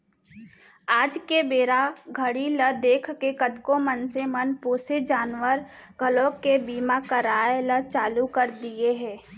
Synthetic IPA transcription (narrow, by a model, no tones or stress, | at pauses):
aːd͡ʒkebeːɾaɡʱəɽiləd̪eːkʰkekəd̪komənsemənpoːsed͡ʒaːnʋəɾkəlokebiːmakəɾaːelət͡ʃaːlukəɾd̪ieɦɛ̃ː